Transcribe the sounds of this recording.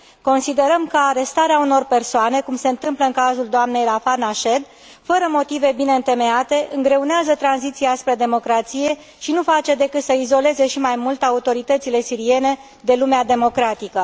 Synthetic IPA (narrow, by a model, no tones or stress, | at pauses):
ko̞nsid̪e̞ɾəmkəaɾe̞st̪aɾeauno̞rpe̞rsoane̞kumse̞ɨnt̪ɨmpləɨŋkazuld̪oamne̞jlafanaʃe̞d̪ | fəɾəmo̞t̪ive̞bine̞ɨnt̪e̞me̞at̪e̞ʔɨŋɡɾe̞uneazət̪ɾanzit̪siaspɾe̞d̪e̞mo̞kɾat̪sije̞ | ʃinufat͡ʃe̞d̪e̞kɨt̪səizo̞le̞ze̞ʃimajmult̪aut̪o̞ɾit̪ət̪sile̞siɾie̞ne̞ | d̪e̞lumead̪e̞mo̞kɾat̪ikə